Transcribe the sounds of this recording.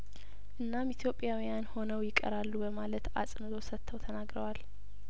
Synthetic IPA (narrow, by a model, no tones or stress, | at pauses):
ʔɨnːamit̪ʰjo̞pʼːjawijanho̞nəwjɪkʼə̰ɾalːubəmalət̪a̰sʼnɨt̪ʰo̞sət̪ʰːəwt̪ʰənaɡɾəwal